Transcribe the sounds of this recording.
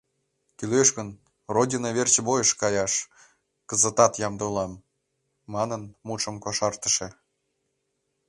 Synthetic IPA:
kyløʃɣən | rodʲinoβert͡ɕbojəʃkɑjɑʃ | kəzə̆t̪ɑt̪jɑmd̪olɑmː | ɑnənmuʃə̆mkoʃɑrt̪ə̥̆ʃĕ

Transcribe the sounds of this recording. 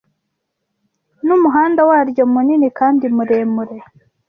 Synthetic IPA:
numuɦaːndawaɾjo̞muninikaːndimuɾeːmuɾe̞

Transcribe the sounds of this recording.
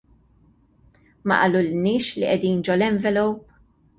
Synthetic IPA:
mɐ̰ʔɐːlulɪnːɪːʃliʔɛd̪iːnd͡ʒɔlɛɱvɛlɔwp

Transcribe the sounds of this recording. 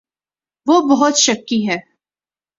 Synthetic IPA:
ʋoːbɐɦʊt̪ʃɐkːiɦɛː

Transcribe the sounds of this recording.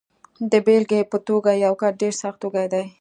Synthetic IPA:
d̪əbelɡepət̪oɡajawkaɾɖeɾsaxt̪oɡajd̪aj

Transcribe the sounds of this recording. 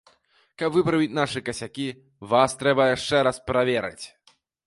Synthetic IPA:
kɐpvɨpɾɐvʲit͡sʲnaʂɨkɐsʲakʲi | vast̪ɾɛbɐjaʂt͡ʂɛɾaspɾavʲɛɾɨ̰t͡sʲ

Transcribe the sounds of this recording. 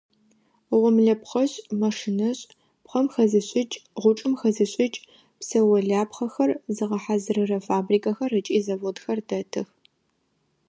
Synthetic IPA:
ʁʷɔmɮɐpχɐɕʼmɐʂɨnɐɕʼ | pχɐmxɐzɨɕʼɪt͡ʃʼʁʷʊʈ͡ʂʼɨmxɐzɨɕʷʼɪt͡ʃʼ | psɐwɐɮaːpχɐxɐrzɨʁɐħazɨrɨrɐfaːbriːkʼɐxɐrɨt͡ʃʼiːzɐvodxɐrdɐtʰɨ̰x

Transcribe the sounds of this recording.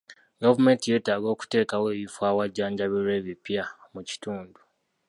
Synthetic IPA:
ɡavume̞ntije̞ːtaːɡo̞ːku̥te̞ːkawe̞ːβifwaːwaɟːaːɲɟaβiɾwe̞ːβipjamuci̥tuːndu

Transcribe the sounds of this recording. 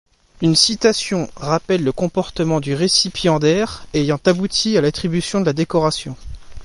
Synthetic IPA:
ynsit̪asjɔ̃ʁapɛlːəkɔ̃pɔʁt̪əmɑ̃d̪yʁesipjɑ̃d̪ɛʁejɑ̃t̪abut̪ʰialat̪χibysjɔ̃d̪əlad̪ekɔʁasjɔ̃

